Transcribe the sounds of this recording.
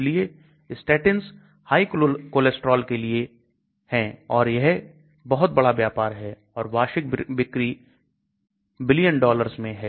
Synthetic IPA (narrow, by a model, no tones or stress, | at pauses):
lie | ɪsʈɛːʈəns | haːiklʊkoːlesʈɾɔːlkelie | hɛ̃ɔːɾjɐɦ | bɐɦʊt̪̚bɐɽabjaːpaːɾɦɛː | ɔːɾʋaːʃɪk̚bɪkɾi | bɪlijənɖɔːləɾsmẽɦɛː